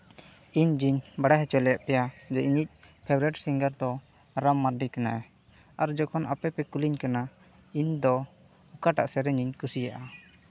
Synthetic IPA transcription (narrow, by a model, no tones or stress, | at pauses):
iɲd͡ʒiɲbaɽaɦɛt͡ʃɔlɛjaʔpɛjad͡ʒɛʔiɲic̚ | pʰɛbɾɛʈsiŋɡəɾd̪ɔ | ɾamːaɾɖikana̰ʔɛ | aɾd͡ʒɔkʰɔnʔa̰pɛpɛkuliɲkana | iɲd̪ɔ | ukaʈa̰ʔsɛɾɛɲiɲkusijaʔa